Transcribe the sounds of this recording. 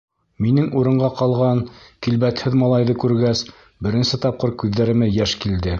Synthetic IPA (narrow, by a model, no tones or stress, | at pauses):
minɘŋuɾɤ̆ɴɢɑqɑlˠʁɑnkilβæt̪hɘðmɑlˠɑjðɤkʉɾɡæs | bɘ̆ɾɘ̆nsɘt̪ɑp̚qɤɾkʉðːæɾɘ̆mɘjæʃkild̪ɘ